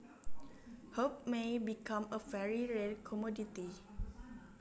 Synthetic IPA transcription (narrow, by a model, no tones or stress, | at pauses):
hop̚mebikʰãməfɛɹiɹɛd̚kʰɔmɔditi